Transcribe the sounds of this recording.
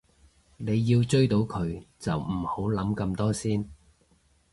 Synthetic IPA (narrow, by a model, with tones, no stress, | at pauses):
ne˨˧jːiː˧wt͡ʃɵ˥ɥt̪o˨˥wkʰɵ˨˧ɥt͡sɐ˨wm̩˨˩ho˨˥wlɐ˨˥mkɐ˧mt̪ɔː˥siː˥n